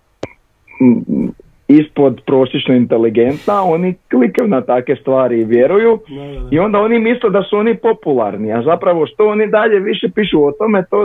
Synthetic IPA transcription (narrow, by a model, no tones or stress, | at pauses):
ispo̞d̪pɾo̞ːsjet͡ʃnoint̪e̞liɡe̞nt̪nao̞niklikajunat̪akʋe̞st̪ʋaːɾiʋjeɾujuio̞nd̪ao̞nimisled̪asuo̞nipo̞pulˠa̰ɾniazapɾaʋo̞ʃt̪o̞onid̪aʎe̞ʋiʃe̞piːʃuot̪o̞me̞t̪oː